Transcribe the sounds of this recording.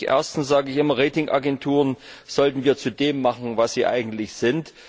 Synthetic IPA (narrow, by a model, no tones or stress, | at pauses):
ʔḛɐstn̩sz̥aːɡəɪçʔɪmɐʁeːtɪŋʔa̰ɡɛntʰuːʁənz̥ɔltn̩viːɐt͡sudeːmːaχn̩vasz̥iːʔa̰ɪɡŋ̩tlɪçz̥ɪnt